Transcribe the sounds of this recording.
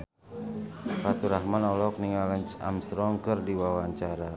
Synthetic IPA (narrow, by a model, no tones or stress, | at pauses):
pat̪uɾahmanɔlɔk̚niŋalansa̰mst̪ɾɔŋkɨrdiwawaɲt͡ʃaɾa